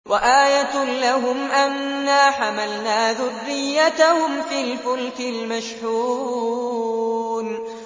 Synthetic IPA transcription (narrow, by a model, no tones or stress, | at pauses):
waʔaːjat̪laɦʊmʔanːaːħamalnaːðʊrːɪjːat̪ahʊmfiːlfʊlt̪ɪlmaʃħuː | n